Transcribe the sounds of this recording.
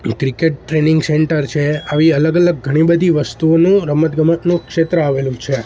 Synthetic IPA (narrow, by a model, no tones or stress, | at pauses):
kɾikeʈ̚ʈɾenɪŋɡseɳʈəɾt͡ʃʰeaʋiələɡələɡɡʱəɽ̃ibəd̪ʱiʋəst̪uonũɾəmət̪ɡʱəmət̪nũkʃet̪ɾəaʋelũt͡ʃʰe